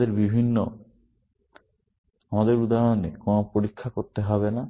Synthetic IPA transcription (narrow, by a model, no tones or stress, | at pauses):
d̪eɾbibʱinːo | amad̪eɾud̪aɾonekonopoɾikʰːakoɾt̪eɦɔβena